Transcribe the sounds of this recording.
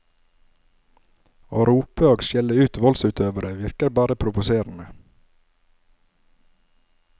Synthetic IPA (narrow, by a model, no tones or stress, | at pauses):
oːɾuːpəoːɡʃjɛləʉːt̪ʋɔlsʉːt̪ʰøːʋəɾəʋɪɾkəɾbɑːɾəpʰɾʊʋʊseːɾn̩ə